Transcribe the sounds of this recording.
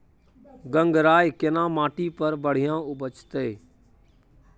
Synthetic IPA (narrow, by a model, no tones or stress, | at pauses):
ɡə̃ŋɡɾaːjkenãːmãːʈiːpəɾbəɽ̤ijãːʊbʱət͡ʃt̪eː